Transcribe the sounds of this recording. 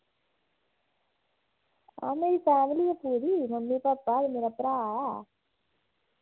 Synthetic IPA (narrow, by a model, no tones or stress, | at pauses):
a̰ːmeɾifaːmilijɐpuːɽimɐmːipɐpːaːd̪meɾɐpɾaːa